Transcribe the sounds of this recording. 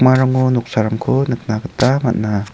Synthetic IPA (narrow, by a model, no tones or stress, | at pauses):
maɾaŋonuk̚saɾamkʰonɯk̚naɡɯtama̰t̚na